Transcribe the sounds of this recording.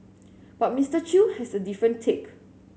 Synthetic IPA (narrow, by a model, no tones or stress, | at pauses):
b̥at̚mistət͡ʃuhɛsədifɹə̃ntʰek